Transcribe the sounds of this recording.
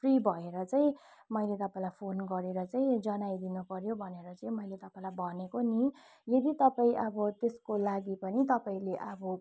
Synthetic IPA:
pʰribʱʌeɾʌt͡saĩ | mʌjlet̪ʌpaĩlajpʰonɡʌɾeɾʌt͡saĩd͡zʌnajd̪inupʌɾjobʱʌneɾʌt͡saĩmʌjlet̪ʌpaĩlajbʱʌnekoni | jʌd̪it̪ʌpaĩʔʌbʌt̪eskolaɡipʌnit̪ʌpaĩleʔʌbʌ

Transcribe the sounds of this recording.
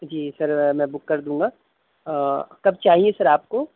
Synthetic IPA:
d͡ʒiːsɐɾmɛ̃ːbʊkːɐɾd̪ũːŋɡaː | kɐb̚t͡ʃaːɦiesɐɾaːp̚koː

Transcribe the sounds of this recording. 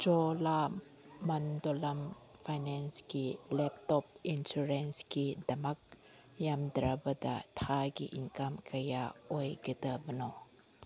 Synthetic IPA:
d͡ʒola | mand̪olamfajnɛnskilɛp̚t̪ɔp̚insuɾɛnskidamak̚ | jamd̪ɾabəd̪a̰t̪ʰaɡḭʔiŋkamkʰajaojɡət̪əbəno

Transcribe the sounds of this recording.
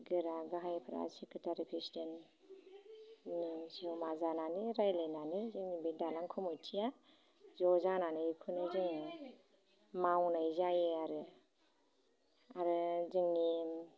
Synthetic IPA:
ɡɯɾaɡaɦajpʰɾa̰sikʰɯtʰaɾipʰisten | nɯsiwmazananɯɾajlajnanɯzɯŋnibedalaŋkʰɯmɯtʰija | zɔzananɯjikʰɯnɯzɯŋ | mawnajzajiaɾɯ | aɾɯzɯŋni

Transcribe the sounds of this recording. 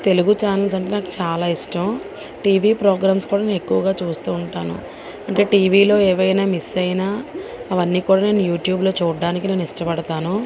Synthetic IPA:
t̪e̞luɡut͡ʃaːnɐls̬ɐɳʈe̞ːnaːku̥t͡ʃaːlaːiʂʈɐm | ʈiːʋiːpɾoːɡɾaːmskuːɽaneːekːuʋɐɡaːt͡ʃuːst̪uːɳʈaːnṵ | ɐɳʈe̞ːʈiːʋiːlo̞ːeːʋɐjnaːmisɐjnaːɐʋɐnːiːkuːɽaːne̞ːnujuːʈjuːblo̞ːt͡ʃuːɖːaːnikine̞ːnuiʂʈɐpɐɽɐt̪aːnu

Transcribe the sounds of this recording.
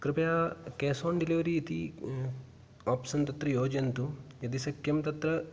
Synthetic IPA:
kɾɪpɐjaːkeːsoːɳɖiliʋɐɾiːt̪i | aːpsɐnt̪ɐt̪ɾɐjoːd͡ʒɐnt̪ujɐd̪isɐkʰjɐmt̪ɐt̪ɾɐ

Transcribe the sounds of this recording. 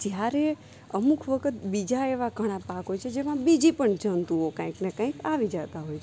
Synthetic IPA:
d͡ʒjaɾe | əmukʰʋəkʰət̪bid͡ʒaeʋaɡʱəɽ̃apakɦojt͡ʃʰed͡ʒemãbid͡ʒipəɳd͡ʒənt̪ũɦokə̃ĩknekə̃ĩkaʋid͡ʒət̪aɦojt͡ʃʰe

